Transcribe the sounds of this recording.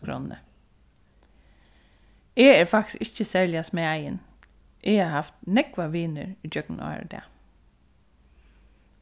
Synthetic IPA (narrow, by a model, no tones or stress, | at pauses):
kʰɾɔ̰nnə̰ | eːæːɹfakt̪ɪ̥sɪt͡ʃːəsæːɹlɪasmeːæjən | ʔeːaːhɑft̪nɛkʋaʋiːnə̰ɹid͡ʒœknɑ̰ːɾ̰d̪ɛ̰ː